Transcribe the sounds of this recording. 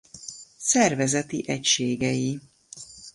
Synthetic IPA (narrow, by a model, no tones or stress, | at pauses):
sɛrvɛzɛt̪iʔɛcʃeːɡɛji